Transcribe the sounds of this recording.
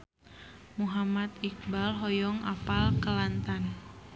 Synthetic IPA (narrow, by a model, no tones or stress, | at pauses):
muɦamat̪ik̚balɦɔjɔŋapalkəlant̪an